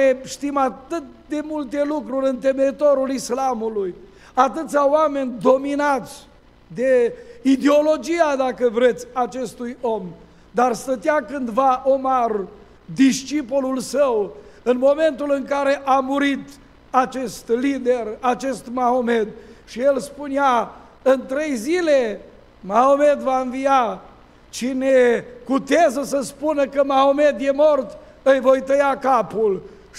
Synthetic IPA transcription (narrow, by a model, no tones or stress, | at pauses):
eʃt̪imat̪ɨt̪̚d̪e̞mult̪e̞lukɾuɾʲɨnt̪e̞meit̪o̞ɾulislamuluj | at̪ɨt̪sʲaoame̞nʲd̪o̞minat̪sʲ | d̪e̞id̪e̞o̞lo̞d͡ʒijad̪akəvɾe̞t̪sʲat͡ʃe̞st̪ujo̞m | d̪arst̪ət̪jakɨnd̪vaʔomar | d̪iʃt͡ʃipolulsəwɨnmo̞me̞nt̪ulɨŋkaɾe̞ʔamuɾit̪ | at͡ʃe̞st̪lid̪e̞rat͡ʃe̞st̪maome̞d̪̚ʃije̞lspunea | ɨnt̪ɾe̞jzile̞ | maome̞d̪vaɨnvija | t͡ʃine̞kut̪eazəsəspunəkəmaome̞d̪je̞mo̞rt̪ | ɨjvo̞jt̪əjakapul